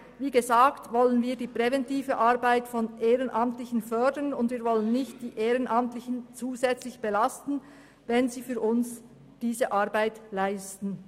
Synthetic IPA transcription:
viːɡəzaːktvɔlənviːdiːpʁ̥ɛvɛntiːvəʔaɐbaɪtfɔnʔeːʁənʔɑmtlɪçn̩fœɐdənʊndviːɾvɔlənːɪçt̚d̥iːʔeːʁənʔɑmtlɪçən̩t͡suːzɛt͡slɪçb̥elastn̩ | vɛnziːfyːɾʔʊns | d̥iːzəʔaɐbaɪtlaɪstn̩

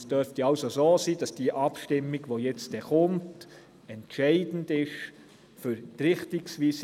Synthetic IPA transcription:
sd̥œɾftiɑʊsosoːsiːd̥ɑsd̥iəʔɑpʃtɪmːiɡʋojɛt͡std̥ɛχʊmt | ɛntʃɛɪdn̩dɪʃ | fʏɾtɾɪχtiksʋiːs

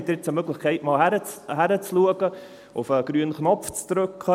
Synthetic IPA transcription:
ɛt̪ːɾɪt͡səmøɡləχkʰɛɪtmɑːlhæɾət͡sɦæɾət͡sluəɡ̥ə | ʊfəɡ̥ɾyənχnɔpft͡sd̪̥ɾɵkʰχə

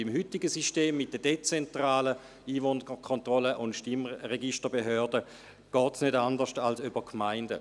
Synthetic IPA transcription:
imhytɪɡəsiʃteːmːɪt̚d̥əd̥et͡sɛntʁaːlə | iːvoːnəkʰɔntʁɔləʔʊntʃtimʁeɡiʃtəbeɦøːɐdə | ɡ̥ɔːtsnødandəʃtalsybɐkʰmaɪndə

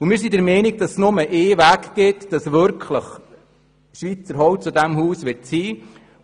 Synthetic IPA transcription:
umɪːɾsidɛɾmɛniɡ̚dɑssnʊməʔeːʋækɡ̥ɪtd̥ɑsʋʏɾkʰləχ | ʃʋit͡səɾɦɔwt͡sudæmhuːsʋɪrtsiː

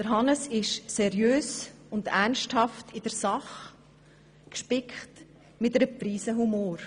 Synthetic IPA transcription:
d̥əɾɦɑnəsɪʃsɛɾjøːsʊndærnʃthɑftʰɪd̥əɾsɑχ | kʃpɪkχt | mɪtəɾəpɾiːsəɦumoːɾ

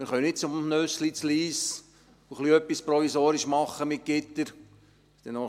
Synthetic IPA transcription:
mɪːɾχœənɪt̚t͡sʊmnøslit͡sliːs | uχliœpːispɾɔfisoːɾɪʃmɑχːəmɪt̚ɡ̥ɪt̪ːəɾ | st̪ɛno

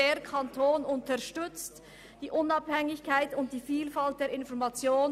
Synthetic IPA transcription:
eːɐkʰantʰoːnʊntəɐʃtʏt͡st | d̥iːʔʊnɑphɛŋɪçkʰaɪtʊnt̚d̥iːfiːlfalt̚d̥eːɐɾɪnfɔɐmat͡sjoː

